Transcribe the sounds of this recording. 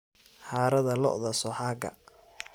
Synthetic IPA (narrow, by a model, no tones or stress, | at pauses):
ħaːɾɐðɐlɔɔðɐsɔħaːɡɐ̰